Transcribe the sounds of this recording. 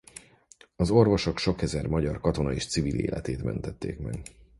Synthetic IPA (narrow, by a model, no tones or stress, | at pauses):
ɒzo̞rvo̞ʃo̞kʃo̞kɛzɛrmɒɟɒrkɒt̪o̞nɒeːʃt̪sivilḛːlʔɛt̪eːt̪mɛ̰nt̪ɛt̪ːeːkmɛɡ̥